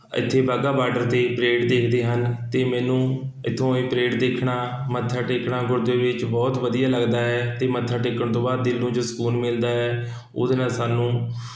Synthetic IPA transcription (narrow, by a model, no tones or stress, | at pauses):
ɪ̰t̪ʰːeːbaɡaːbaːɖəɾt̪eːpɾeːʈd̪eːkʰd̪eːɦənt̪eːmɛːnũː | ɪt̪ʰːõːeːpɾeːʈd̪eːkʰɳaː | mət̪ʰːaːʈeːkɳaːɡʊɾd̪eːʋɪt͡ʃbɔːt̪ʋəd̪ijaːləɡd̪aːɦɛːt̪eːmət̪ʰːaːʈeːkːəɳt̪õːbaːd̪̚d̪ɪlːũːd͡ʒoːsə̥kuːnmɪld̪aːɦɛː | o̰ːd̪enãːsaːnũː